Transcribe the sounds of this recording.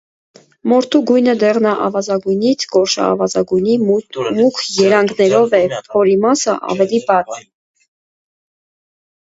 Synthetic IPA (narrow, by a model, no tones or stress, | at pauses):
mɔɾt̪ʰuɡujnəd̪ɛʁnɑʔɑvɑzɑɡujnit͡sʰkɔɾʃɑ̰ɑ̰vɑzɑɡujnimukʰjɛɾɑŋɡnɛɾɔvɛpʰhɔɾimɑsəʔɑ̰vɛlibɑt͡s